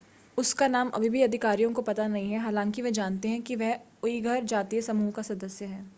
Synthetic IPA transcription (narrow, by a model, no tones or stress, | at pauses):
ʊskanaːmɐ̰bʱibʱiɐd̪ʱɪkaːɾijõkopɐt̪anɐɦĩɦɛɦaːlãːŋkiʋɐd͡ʒaːnt̪eɦɛ̃kiʋɛɦ | oiɡʱɐɾd͡ʒaːt̪iesɐmuːɦkasɐd̪əsjəɦɛ̃ː